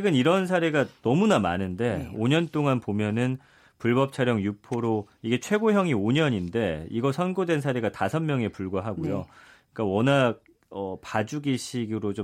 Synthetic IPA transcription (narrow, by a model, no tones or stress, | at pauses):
t͡ɕʰeɡɯniɾʌns̬ʰaɾeɡanʌmunamanɯnde̞oɲʌnt͈oŋanpomjʌnɯn | puɭbʌp̚t͡ɕʰaɾjʌŋjupʰoɾo | iɡe̞t͡ɕʰwe̞ɡoɦjʌŋioɲʌɲinde̞ḭɡʌsʰʌnɡodwe̞nsʰaɾeɡatasʰʌnmːjʌŋe̞puɭɡwaɦaɡojo | k͈awʌnak̚ | ʌpad͡ʑuɡiɕʰiɡɯɾot͡ɕo